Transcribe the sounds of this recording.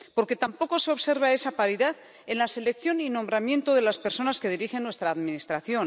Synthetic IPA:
po̞ɾke̞t̪ampo̞ko̞se̞oβse̞ɾβ̞ae̞sapaɾiðað | enlase̞lek̚θjo̞ninombɾamjẽ̞nt̪oðe̞laspeɾso̞naske̞ð̞iɾixenːwe̞st̪ɾaːðminist̪ɾaθjo̞n

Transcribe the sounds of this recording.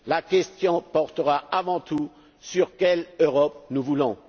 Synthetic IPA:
lakʲɛst̪jɔ̃pɔʁt̪əʁaavɑ̃t̪u | syʁkʲɛløʁɔp̚nuvulɔ̃

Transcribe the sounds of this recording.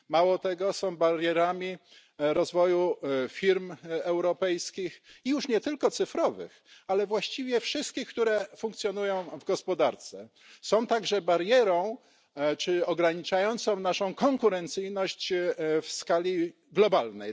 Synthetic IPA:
mawɔt̪ɛɡɔsɔ̃w̃baɾjɛɾamʲi | ɾɔzvɔjufʲiɾmɛwɾɔpɛjskʲixijuʂɲɛt̪ɘlkɔt̪sɘfɾɔvɘ̰x | alɛvwaɕt͡ɕivʲjɛfʂɘst̪̚kʲixkt̪uɾɛfũŋkt̪sʲjɔnujɔ̃w̃vɡɔspɔd̪aɾt̪sɛ | sɔ̃w̃t̪aɡʐɛbaɾjɛɾɔ̃w̃ | t͡ʂɘɔɡɾaɲit͡ʂajɔnt̪sɔ̃w̃naʂɔ̃w̃kɔŋkuɾɛnt̪sɘjnɔɕt͡ɕfskalʲi | ɡlɔbalnɛj

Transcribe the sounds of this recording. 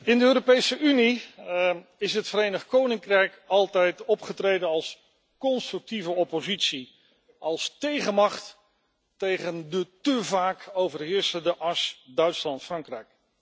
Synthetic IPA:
ɪndəøːɾopejsəʔyni | ɪsətfəɾejnəχkownɪŋkrɛjkɑlˠtɛjtɔpχətrejdənɑlˠs | kɔnstrʉk̚tivəɔpozitsi | ʔɑlˠstejχəmɑχtː | ejχəndətəvaːkowvərɦɪːɹsəndəʔɑɹsdœɥtslɑntfrɑŋkrɛjk̚

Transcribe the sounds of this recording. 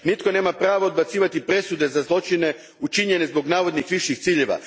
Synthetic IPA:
nit̪ko̞ne̞ːmapɾaːʋood̪̚bat̪siːʋat̪ipɾe̞sud̪e̞zazlˠo̞t͡ʃine̞ | ut͡ʃiɲe̞ne̞zbo̞ɡnaːʋo̞d̪nixʋiʃixt̪siːʎe̞ʋa̰

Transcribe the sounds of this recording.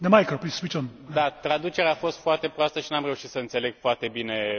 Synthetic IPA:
nemajkəpliswit͡ʃɔ̃nd̪at̪ɾad̪ut͡ʃe̞ɾeaːfo̞st̪foart̪e̞pɾoast̪əʃinamre̞uʃit̪səɨnse̞le̞ɡ̥foart̪e̞bine̞

